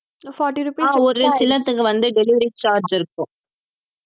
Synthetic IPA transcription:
fɔːʈiɾupːɔɾɯsɪlɐt̪ːɯkːɯʋɐnd̪ɯɖɛlɪʋɐɾit͡ʃaːɾd͡ʒɪɾɯkːʊ̃

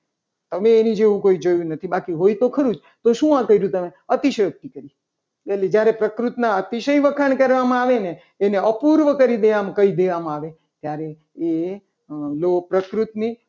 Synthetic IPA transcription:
t̪əmeːnid͡ʒeʋũkoid͡ʒojũnət̪ʰibakiɦojt̪okʰəɾũd͡ʒ | t̪oʃũãkəiɾũt̪əmeət̪iʃəjək̚t̪ikəɾi | eled͡ʒjaɾepɾəkɾut̪naət̪iʃəjʋəkʰaɳkəɾʋamãaʋeneː | neəpuɾʋəkəɾid̪eʋamkəid̪eʋamãaʋe | t̪jaɾe | e | lopɾəkɾut̪ni

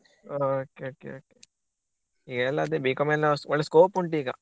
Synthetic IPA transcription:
oːkeoːkːḛoːke | iɡɐɛlːɐːd̪eːbiːkɐmelɐsɔɭːɐskoːpuɳʈiːɡɐ

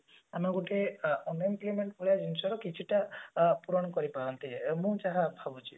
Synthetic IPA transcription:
amaɡoʈeɔnɔmplemeɳʈboɭijad͡ʒinsɔɾɔkit͡ʃʰiʈapuɾɔñɔkɔɾipaɾɔnt̪imũd͡ʒaɦabʱabut͡ʃʰi̥

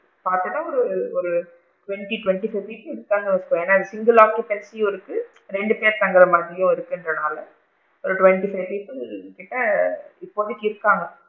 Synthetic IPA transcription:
paːɾt̪ɯʈːãːɔɾɯɔɾɯ | ʈʊʋɛɳʈiʈʊʋɛɳʈifɐɪpiːpːɪðɯkːaːŋɡɐʋɐsɯkːʋõeːnːaːɪðɐsɪŋɡɐlaːkipɛsiɔɾɯkːɯ | ɾɛɳɖɯpeːɾt̪ɐŋɡɐɾɐmaːd̪ɾɪjʊ̃ɪɾɯkːɯɪndrɐnaːlɐ | ɔɾɯʈʊʋɛɳʈifɐɪpiːpːɪlkɪʈːɐɪpːoʋɐðɯkːɪɪɾɯkːaːŋɡɐ

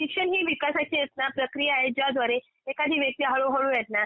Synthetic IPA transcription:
sikɕənɦiːʋikasat͡ɕijet̪̚napɾəkɾijaaɦed͡ʑjad̪ʋaɾe | ekad̪ʱiːʋjək̚t̪iːɦəɭoɦoɭũjɛt̪̚na

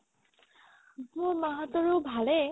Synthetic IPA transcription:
muɹmaɦat̪ːɔɹobʱale

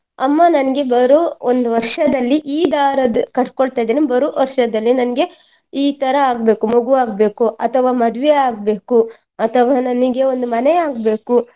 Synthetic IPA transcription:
ɐmːanɐniɡe̞bɐɾuond̪uʋɐɾʂɐd̪ɐlːiʔiːd̪aːɾɐd̪kɐʈkoɭt̪aːjd̪eːnebɐɾuʋɐɾʂɐd̪ɐlːinɐniɡe̞ | iːt̪ɐɾɐaːɡ̚be̞ːkumoɡuaːɡ̚be̞ːkuʔɐt̪ʰɐʋaːmɐd̪ʋeaːɡ̚be̞ːku | ɐt̪ʰɐʋaːnɐniɡe̞o̞nd̪umɐneaːɡbe̞ːku

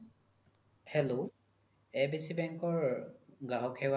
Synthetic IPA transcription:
hɛlo | ɛbisibɛŋkɔɹɡaɦɔkʰɛwa

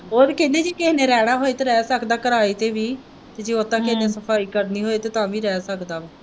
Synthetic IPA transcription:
ɦoːɾkɪneːd͡ʒeːkɪɦnẽːɾɛːɽ̃aːɦoːeːt̪eːɾɛːsəkd̪aːkəɾaːiːt̪eːʋiː | t̪eːd͡ʒeːot̪ːãːkɪneːsəpʰaːiːkəɾniːɦoːeːt̪eːt̪ãːʋiːɾɛːsəkd̪aː

